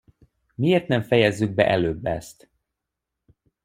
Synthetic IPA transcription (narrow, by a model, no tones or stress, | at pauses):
mieːrt̪nɛɱfɛjɛzːyɡ̚bɛ̰ʔɛløːbːɛ̰st̪